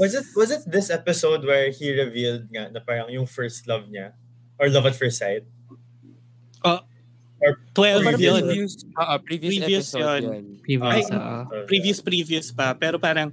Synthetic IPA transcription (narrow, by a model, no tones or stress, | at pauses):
wɐzɪt̪̚wɐzɪt̪̚ðɪsɛpɪsowd̪̚wɛɹhiɹɪvild̪̚ŋanɐpaːɾɐŋjʊŋfɛɹst̪lɐvɲa | ʔɔɹlɐvɐt̪fɛɹsaɪt̪̚ | ʔoʔ | ɔt̪wɛl | soʔpɹivɾiviʊsjonivajnʔɛpɾiːviʊspɾiːviʊspɐpɛːɾopaːɾɐŋ